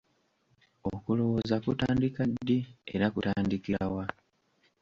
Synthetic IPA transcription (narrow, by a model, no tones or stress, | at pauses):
okulo̞wo̞zakutaːndikadːiḛɾakutaːndikiɾawa